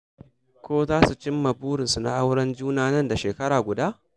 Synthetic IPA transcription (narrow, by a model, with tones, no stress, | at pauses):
kʷoː˦zaː˦su˨t͡ʃɪ˦mːa˨buː˦ɽɪ˨nsu˨na̰˦˨ʔa˦wɽɐ˦nd͡ʒuː˦naː˦nɐ˦nda˨ʃeː˨kɐ˦ɽaː˨ɡʷʊ˨daː˦ʔ